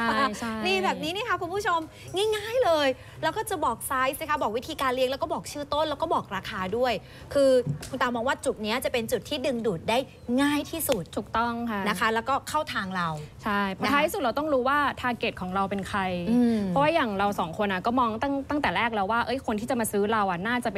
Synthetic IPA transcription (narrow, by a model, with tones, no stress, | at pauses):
a˥˩t͡ɕʰa˥˩niː˧˩bɛː˨˩p̚niː˦˥ni˦˥˩kʰa˦˥kʰu˧npʰu˥˩t͡ɕʰo˧m | ŋaː˥˩jŋaː˥˩jlɤː˧j | lɛː˦˥wkɔː˥˩t͡ɕa˨˩bɔː˨˩k̚sa˦˥jsiː˧˥˩kʰa˦˥bɔː˨˩k̚wi˦˥t̪ʰiː˧kaː˧nli˧˥˧ŋlɛ˦˥wkɔ˥˩bɔː˨˩k̚t͡ɕʰɯː˥˩t̪o˥˩nlɛ˦˥wkɔː˥˩bɔː˨˩k̚ɾaː˧kʰaː˧du˥˩əj | kʰɯː˧u˧nt̪aː˧mɔː˧ŋwaː˥˩t͡ɕu˨˩t̪̚ni˦˥ɐt͡ɕa˨˩pe˧nt͡ɕu˨˩t̪ʰːiː˥˩dɯ˧ŋduː˨˩t̪̚daː˥˩j | ŋaː˥˩jt̪ʰiː˥˩su˨˩t̪̚t̪ʰuː˨˩k̚t̪ɔ˥˩ŋkʰa˦˥˩na˦kʰa˦˥lɛː˦˥wkɔː˥˩kʰa˥˩wt̪ʰaː˧ŋɾa˧wt͡ɕʰa˥˩jpʰɔ˧˦tʰa˦˧iː˥su˨˩t̪̚ɾa˧t̪ɔ˥˩ŋɾuː˦˥waː˥˩t̪ʰaː˧ke˨˩t̪̚kʰɔː˩˦ŋɾa˧wpe˧nkʰɾa˧jɯː˧ɔ˦˥waː˥˩jaː˨˩ŋɾa˧wsɔː˩˦ŋkʰo˧nʔa˨˩kɔː˥˩mɔː˧ŋt̪a˥˩ŋt̪a˥˩ŋt̪ɛː˨˩ɾɛː˥˩k̚lɛː˧wːaː˥˩ʔɤ˦˥jkʰo˧nt̪ʰiː˥˩t͡ɕa˨˩maː˧sɯː˦˥ɾa˧wʔa˨˩naː˥˩t͡ɕa˨˩pe